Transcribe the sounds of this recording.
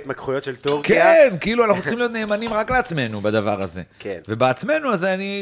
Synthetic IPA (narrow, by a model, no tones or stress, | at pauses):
t̪makχujot̪ʃelt̪oʁkenkeiluanaχnut͡sl̥̩χimlijot̪ne̞ːmanimʁakleat͡sme̞nubad̪ava̰ʁaze̞̰keve̞beat͡sme̞nuazani